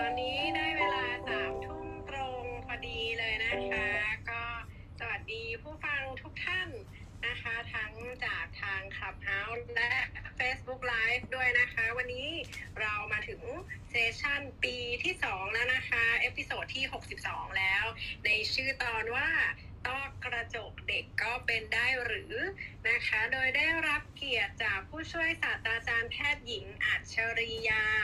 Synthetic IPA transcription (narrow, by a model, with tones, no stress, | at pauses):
t̪ɔː˧nːiː˦˥na˧jweː˧laː˧t̪a˨˩m̚t̪ʰu˦˥ŋt̪ɾo˧ŋpʰɔː˧diː˧lɤː˧jna˦˥kʰa˦˥kɔː˥˩ | sa˧wa˨˩t̪̚diː˧pʰuː˥˩fa˧ŋt̪ʰu˦˥k̚t̪ʰa˥˩n | na˦˥kʰa˦˥t̪ʰa˦˥ŋt͡ɕaː˨˩k̚t̪ʰaː˧ŋkʰla˨˩p̚ha˦˥wlɛ˦˥ʔfeː˦˥sbu˦˥k̚laː˦˥jfdu˥˩əjna˦˥kʰa˦˥wa˧nːiː˦˥ɾa˧wmaː˧t̪ʰɯ˩˦ŋseː˦˥t͡ɕʰa˥˩npiː˧t̪ʰiː˥˩sɔː˩˦ŋlɛ˦˥na˦˥kʰa˦˥ʔeː˦˥pʰi˧soː˨˩t̪ʰːiː˥˩ɦo˨˩k̚si˨˩p̚sɔː˩˦ŋlɛː˦˥wna˧jt͡ɕʰɯː˥˩t̪ɔː˧nwaː˥˩ | t̪ɔ˥˩ŋkɾa˧t͡ɕo˨˩k̚de˨˩kːɔː˥˩pe˧ndaː˥˩jɾɯː˩˦na˦˥kʰa˦˥doː˧jdaː˥˩jɾa˦˥p̚ki˨˩ət̪̚t͡ɕaː˨˩k̚pʰːuː˥˩t͡ɕʰu˥˩əjsaː˨˩t̪̚ːɾaː˧t͡ɕaː˧np̪ʰɛː˥˩t̪̚ji˨˩˦ŋʔa˨˩t̪̚t͡ɕʰa˧ɾi˧jaː˧